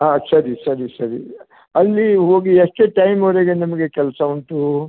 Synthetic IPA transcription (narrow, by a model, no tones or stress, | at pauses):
ɦaːsɐɾisɐɾisɐɾi | ɐlːiɦoːɡieʂʈeːʈɐjmoʋɾeːɡenimɐɡe̞kɛlsɐuɳʈu